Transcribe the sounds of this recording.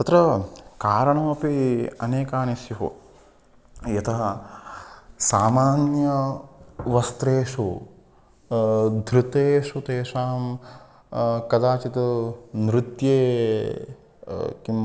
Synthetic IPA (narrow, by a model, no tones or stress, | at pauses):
t̪ɐt̪ɾɐkaːɾɐɳɐmɐpiɐneːkaːniʃjɐɦṵ | jɐt̪ʰɐɦɐ | saːmaːnjɐ | ʋɐst̪ɾeːʂu | d̪ʱɾut̪eːʂut̪eːʂaːm | kɐd̪aːt͡ʃit̪ɐnɾut̪jeː | kim